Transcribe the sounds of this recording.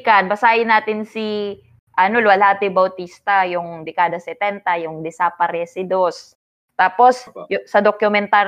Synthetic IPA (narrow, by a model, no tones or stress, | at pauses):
kɐnbɐsaːhɪnːaːt̪ɪnsi | ʔɐno̞lʊwɐlaːt̪ɪbɐwt̪iːst̪ɐjʊŋd̪ɪkaːd̪ɐsɛt̪ɛnt̪ɐjʊŋd̪ɪsapɐɾɛsɪd̪os | t̪aːpo̞sjsɐd̪okʊmɛnt̪a